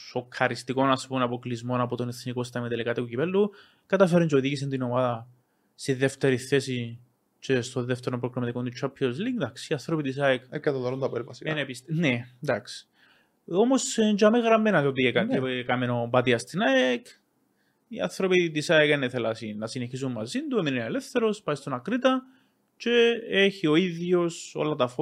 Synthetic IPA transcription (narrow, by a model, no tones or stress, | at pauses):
so̞kʰːɐɾist̪iko̞nɐspunɐpoklizmo̞nɐpot̪oneθnikost̪ɐmit̪elikat̪ikucipelːu | kɐt̪ɐfeɾunt͡ʃeoðiʝis̬ent̪inomaðɐ | st̪iðeft̪eɾiθesi | t͡ʃest̪oðeft̪eɾompɾokɾomɐt̪ikont̪ut͡ʃʰːapʰːiozliŋɡd̪ɐksiɐθɾopit̪is̬aekekːɐt̪ɐðoɾond̪ɐpeɾpɐsienepist̪ned̪aksi̥ | omosɲd͡ʒɐmeɣɾɐmːenɐt̪opiekɐcekɐmenobɐt̪iɐst̪inɐek | iɐ̰θɾopid̪isaekeneθelɐsinɐsineçis̬ummɐzind̪uemininelefθeɾo̞spɐist̪onɐkɾit̪ɐ | t͡ʃe̞eçio̞iðjo̞so̞̰lɐt̪ɐf